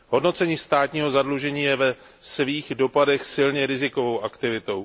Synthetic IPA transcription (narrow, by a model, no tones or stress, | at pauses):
ɦo̞dno̞t͡sɛɲiːst̪aːt̪ɲiːɦo̞zadluʒɛɲiːjɛvɛ | sviːɣdo̞padɛxsɪlɲɛɾɪzɪko̞vo̞wʔakt̪ɪvɪt̪o̞w